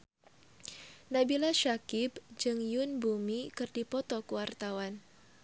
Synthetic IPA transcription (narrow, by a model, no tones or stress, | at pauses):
nabilaʃakɪbd͡ʒɨŋjʊnbumikɨrdipɔt̪ɔkuwart̪awan